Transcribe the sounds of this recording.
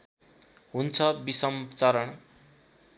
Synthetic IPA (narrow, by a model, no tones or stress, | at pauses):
ɦunt͡sʰʌbisʌmt͡sʌɾʌɳ